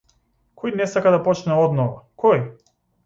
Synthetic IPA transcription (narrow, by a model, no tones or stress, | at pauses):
kʰɔjnɛsakad̪apɔt͡ʃnɛɔd̪nɔvakʰɔj